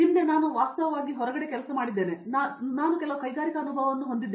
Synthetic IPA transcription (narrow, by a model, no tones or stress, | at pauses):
imːe̞naːnuʋaːsst̪ɐʋɐʋaːɡiɦɔɾɐɡɐɽe̞kɛlɐsɐmaːɽid̪ːe̞ːne̞nanaːnukɛlɐʋɐkɐjɡaːɾikɐɐnubʱɐːʋɐʋɐnːuɦond̪id̪ː